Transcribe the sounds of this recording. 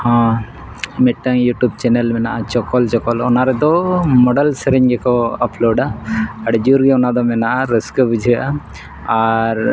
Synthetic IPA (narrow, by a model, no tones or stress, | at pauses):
hã | mɛʈːaŋjuʈub̚t͡ʃɛnɛlmɛnaʔat͡ʃɔkɔlt͡ʃɔkɔlɔnaɾɛd̪ɔmɔɖəlsɛɾɛɲɡɛkɔəploɖaːɖd͡ʒuɾɡɛɔnad̪ɔmɛnaʔaɾəskəbud͡ʒʱia | aɾ